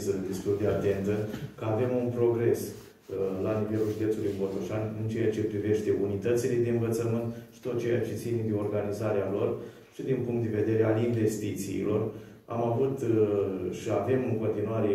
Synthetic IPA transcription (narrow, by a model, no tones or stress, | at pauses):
sd̪e̞st̪uld̪e̞at̪e̞nt̪əkəave̞munpɾo̞ɡɾe̞s | lanive̞lulʒid̪e̞pt̪ulujmbot̪oʃanʲɨnt͡ʃejat͡ʃe̞pɾive̞ʃt̪e̞unit̪ət̪sile̞d̪e̞ɨnvət̪səmɨnt̪ʃi̥t̪o̞t̪̚t͡ʃejat͡ʃe̞t̪sined̪eo̞rɡanizaɾealo̞r | ʃid̪inpuŋkt̪d̪e̞ve̞d̪e̞ɾe̞alinve̞st̪it̪sḭːlo̞r | a̰mavut̪ | ʃiave̞mɨŋko̞nt̪inuaɾe